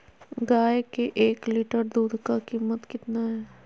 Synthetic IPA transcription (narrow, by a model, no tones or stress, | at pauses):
ɡaːekeʔeːkliːʈəɾd̪uːd̪kakiːmət̪kɪt̪naɦɛː